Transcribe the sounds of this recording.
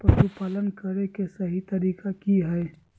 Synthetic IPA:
pɾɐʃupaːlənkɐɾekesɐɦit̪ɐɾiːkakiɦɛː

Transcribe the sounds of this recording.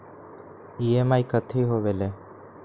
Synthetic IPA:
iːemaːikət̪ʰiːɦoːʋeleː

